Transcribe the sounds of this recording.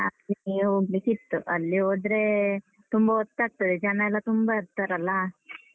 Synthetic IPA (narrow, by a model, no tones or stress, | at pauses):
ɐlioɡlikit̪ːuʔɐlːioːd̪ɾe | t̪umbɐɔt̪ːaːɡ̚t̪ɐd̪ed͡ʒɐnɐɛlːɐt̪umbaiɾt̪aɾɐlːɐ